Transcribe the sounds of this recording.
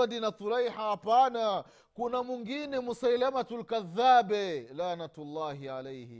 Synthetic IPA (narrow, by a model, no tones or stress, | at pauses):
adinat̪uɾajħahapana | kunamwiŋɡinɛmusajlamatulkaðːabɛlanatlːaːɦiʕalɛjhḭ